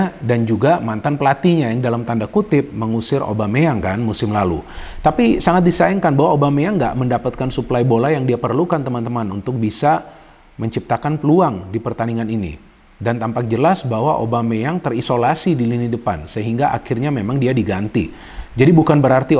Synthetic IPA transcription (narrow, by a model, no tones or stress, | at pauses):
dand͡ʒuɡamant̪anpəlat̪iɲajaŋdalamt̪andakut̪ɪp̚məŋusɪrʔo̰bameaŋkanmusɪmlalṵt̪apisaŋat̪̚disaiŋkanbaɦwaobamejaŋɡa̰ʔməndapat̪̚kansuplajbolajaŋdiapərlukant̪əmant̪əmanunt̪ʊk̚bisa | məɲt͡ʃip̚t̪akanpəluaŋdipərt̪aniŋaninḭ | dant̪ampak̚d͡ʒəlasbaɦwaʔo̰bamejaŋt̪ərisolasidilinidəpansəɦiŋɡaʔa̰kɪrɲamemaŋdiadiɡant̪i | d͡ʒadibukanbəɾart̪i